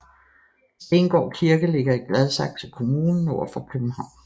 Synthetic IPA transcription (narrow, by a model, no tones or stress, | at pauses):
senɡ̥ɒ̰ːkʰiɐɡ̥əle̝ɡ̥ɐiɡ̥lɛð̞ˠsɑ̈ɡ̥̚t͡sʰe̝lkʰo̝muːnn̩oʊ̰ɐfɒkʰøb̥n̩hɑ̈ʊ̰n